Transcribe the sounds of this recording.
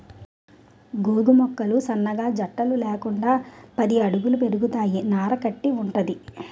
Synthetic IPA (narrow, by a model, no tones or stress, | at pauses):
ɡuːɡumɔkːɐlusɐnːɐɡaːd͡ʒɐʈːɐlulɛːkuɳɖaːpɐd̪iɐɽuɡulupe̞ɾuɡut̪aːjinaːɾɐkɐʈːiuɳʈɐd̪i